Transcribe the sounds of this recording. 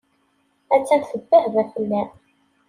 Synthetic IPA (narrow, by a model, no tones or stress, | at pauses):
æt͡sːænθəbːæhvæfənːæ